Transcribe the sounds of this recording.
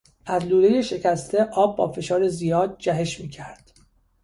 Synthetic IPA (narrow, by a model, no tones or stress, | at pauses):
ʔæzluːɾe̞je̞ʃe̞cʰʲæst̪ʰe̞ʔɒːb̚ːɒ̰ːfe̞ʃɒːɾezijɒːd̪̚d͡ʒæɦe̞ʃmiːcʰæɾd̪̥